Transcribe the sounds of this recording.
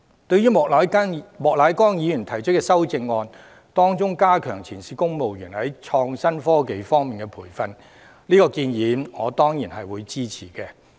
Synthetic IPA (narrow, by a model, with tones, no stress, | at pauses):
t̪ɵ˧ɥyː˥mɔː˨la˨˧˥mɔː˨k̚laː˨˥jkɔː˥ŋjiː˨˧jyː˨˩nt̪ʰɐ˨˩jt͡ʃʰɵ˥kːɛː˧sɐ˥wt͡sɪ˧ŋːɔː˧n | t̪ɔː˥ŋt͡sʊ˥ŋkaː˥kʰœː˨˩ŋt͡sʰiː˨˩nsiː˨˧kʊ˥ŋmo˨wjyː˨˩nhɐ˨˥jt͡ʃʰɔː˧ŋsɐ˥nfɔː˥ke˨˧jfɔː˥ŋmiː˨˩nkɛː˧pʰuː˨˩jfɐ˧n | liː˥kɔː˧kiː˧njiː˨˧˥nŋɔː˨˧t̪ɔː˥ŋjiː˨˩nɦɐ˨jwuː˨˧jt͡siː˥t͡sʰiː˨˩kɛː˧